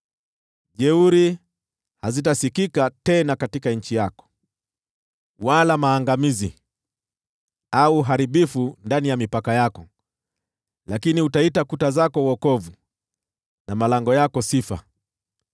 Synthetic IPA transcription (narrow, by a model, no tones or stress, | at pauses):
ʄɛuɾi | hazitasikikatɛnakatikaɲ̩t͡ʃijakɔ̥ | walamaːŋɡamizḭ | auːɦaɾiɓifundanijamipakajakɔ | lakiniutaitakutazakɔwɔkɔvu | namalaŋɡɔjakɔsifa̰